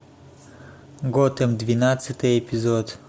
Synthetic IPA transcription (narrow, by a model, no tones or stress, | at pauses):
ɡɔt̪əmd̪vʲinat̪sɨt̪ɨjɛpʲizɔt̪